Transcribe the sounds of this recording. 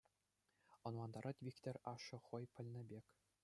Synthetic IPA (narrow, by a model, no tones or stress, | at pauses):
ŏnlˠɑnd̪ɑɾʔɑt̪ʲʋʲikʲt̪ʲɘ̆rʲɑʂɤ̆χɤ̆jpʲɘ̆lʲnʲɘ̆bʲekʲ